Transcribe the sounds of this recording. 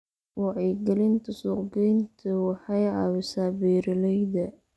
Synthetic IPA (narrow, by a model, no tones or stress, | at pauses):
wɑʕiːɡɐlɪnt̪ʰɐsuːqɡɛjnt̪ʰɐwɑħɑjʕɑːwɪsaːbɛːɾɪlɛjdɐ